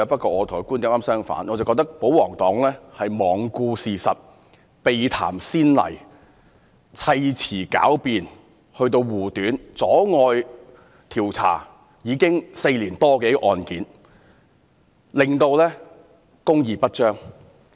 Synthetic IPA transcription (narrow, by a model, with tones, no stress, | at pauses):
pɐ˥t̚kɔː˧ŋɔː˨˧t̪ʰːku˥ni˧˥˦maː˥msœː˥ŋfa̰ː˨˥nʔɔː˨˧t͡sɐ˨wkɔ˧k̚t̪ɐ˥k̚po˨˥wɔː˨˩ŋt̪ɔː˨˥ŋlɛː˥hɐ˨jmɔː˨˩ŋkuː˧siː˨˩sɐ˨t̚ | pe˨jt̪ʰa̰ː˨˩msiː˥nlɐ̰˨˩j | t͡sʰɐ˧jt͡sʰiː˨˩ka̰ː˨˥wpiː˨n | hɵ˧ɥt̪̬o˧wwuː˨˩t̪yː˨˥nt͡sɔː˨˥ŋɔː˧j | t̪ʰiː˨˩wt͡sʰa̰ː˨˩ | jiː˨˧˥kɪ˥ŋse˧jliː˨˩nt̪ɔː˥ke˨˥jʔɔː˨nkiː˨˥n | lɪ˨ŋt̪o˧wlɛː˥ | kʊ˥ŋjiː˨pɐ˥t̚t͡ʃœː˥ŋ